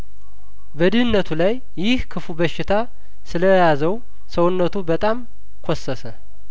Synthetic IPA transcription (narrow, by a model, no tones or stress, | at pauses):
bəd̪ɨhɨnːət̪ʰulajːɪhkʰɨfubəʃɪt̪ʰa | sɨləjazəw | səwʊnːət̪ʰubət̪ʼam | kʰosːəsə